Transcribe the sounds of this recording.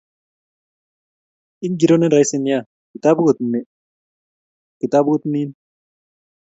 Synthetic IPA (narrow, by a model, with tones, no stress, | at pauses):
i˦ŋɡi˨ɾone˦da˦jsi˦nja | ki˨t̪a˦bu˦ɣo˨t̪ne˦ | ki˨t̪a˦bɣo˦t̪ni˦n